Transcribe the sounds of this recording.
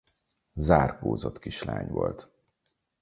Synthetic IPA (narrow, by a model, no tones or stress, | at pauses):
zaːrkoːzot̪kiʃlaːɲvolt̪